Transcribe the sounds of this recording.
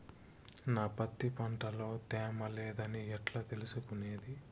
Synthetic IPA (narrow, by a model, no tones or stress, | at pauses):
naːpɐt̪ːipɐɳʈɐlo̞ːt̪ɛːmɐleːd̪ɐniɛʈlaːt̪elusukuneːd̪i